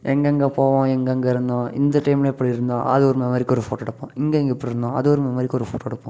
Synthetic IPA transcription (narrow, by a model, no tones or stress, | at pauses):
ɛŋɡɐŋɡepoːʋãːɛŋɡɐŋɡɐɪɾɯnd̪ãːɪnd̪ɐʈɐɪmlɐpːɐɽiɪɾɯnd̪ãːʔɐðɯɔɾɯmɐmaːd̪ɾɪkːɔɾɯfoːʈːoːɽɐpːõɪŋɡeɛŋɡɐɪpːɐɽiɾɯnd̪ãːɐðɯɔɾɯmɐmaːɾɪkːɔɾɯfoːʈoːɽɐpːõ̰